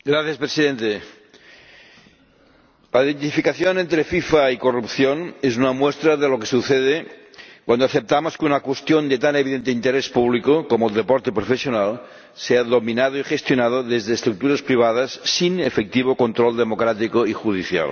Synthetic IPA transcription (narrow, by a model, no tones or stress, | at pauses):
ɡɾaθjaspɾesiðent̪e | laiðent̪ifikaθjonent̪ɾefifaikorupθjonezunamwest̪ɾaðelokesuθeðe | kwand̪oaθep̚t̪amoskeunakwest̪jond̪et̪aneβiðent̪eint̪eɾespuβlikokomoeld̪epoɾt̪epɾofesjonal | seaðominaðoixest̪jonað̞oðezðeːst̪ɾuk̚t̪uɾaspɾiβ̞að̞asːinefek̚t̪iβ̞okont̪ɾold̪emokɾat̪ikoixuð̞iθja̰l